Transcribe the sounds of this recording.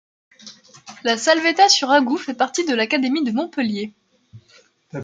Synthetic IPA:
lasalvet̪asyʁaɡufɛpaʁt̪id̪əlakad̪emid̪əmɔ̃pəlje

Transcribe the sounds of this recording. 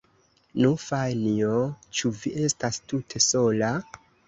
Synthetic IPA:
nufajniot͡ʃuviʔe̞stastutʰe̞so̞la

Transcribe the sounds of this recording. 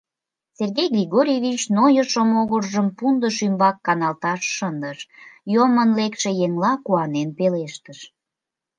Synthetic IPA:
serɣejɡrʲiɣoɾʲjeβit͡ɕnojəʃomoɣərʒəmpund̪əʃymbɑkːɑnɑlt̪ɑʃːənd̪əʃjomənlekʃejeŋlɑkuɑnenpeleʃt̪əʃ

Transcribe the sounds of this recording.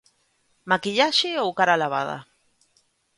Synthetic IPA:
makiʎaʃiowkaɾalaβa̰ða̰

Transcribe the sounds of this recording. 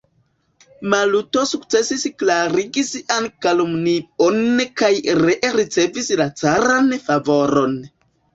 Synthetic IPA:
maluto̞sukt͡se̞sisklaɾiɡisankalomnionkajɾeɾit͡se̞vislat͡saɾanfavo̞ɾo̞n

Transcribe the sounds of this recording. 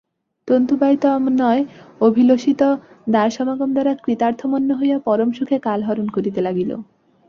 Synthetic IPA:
t̪ont̪ubajt̪ɔmnɔeobʱiloʃit̪ɔ | d̪aɾʃɔmaɡomd̪aɾakɾit̪aɾt̪ʰomɔnːoɦojapɔɾomʃukʰekalɦɔɾonkoɾit̪elaɡilo̰

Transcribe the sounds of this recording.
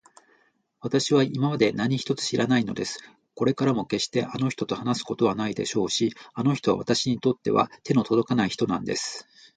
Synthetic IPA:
βat̪aɕiβaimamad̪e̞naɲ̟içi̥t̪o̞t͡sɨ̥ɕiɾʔanaino̞̰d̪e̞sɨ̥ | ko̞ɾe̞kaɾamo̞ke̞ɕt̪e̞ʔano̞çi̥t̪o̞t̪o̞hanasɨ̥ko̞t̪o̞βanaid̪e̞̰ɕo̞ːɕiano̞çi̥t̪o̞a̰βa̰t̪aɕiɲ̟it̪o̞t̪ːe̞βa̰t̪e̞no̞t̪o̞d̪o̞kanaiçi̥t̪o̞nãnd̪e̞sɨ̥

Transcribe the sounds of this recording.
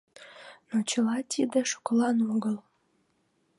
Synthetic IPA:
not͡ɕəlɑt̪ʲʰid̪eʃu̥klɑnoɡəlˠ

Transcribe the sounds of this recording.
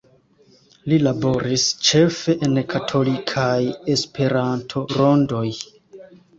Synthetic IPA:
lilabo̞ɾist͡ʃe̞fe̞ʔenkʰatʰo̞likʰaje̞spʰe̞ɾantʰo̞ɾo̞ndo̞j

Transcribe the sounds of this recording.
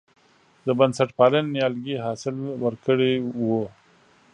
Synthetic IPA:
d̪əbansaʈpɑlənːjɑlɡiɦɑsɪlwəɾkəɽewu

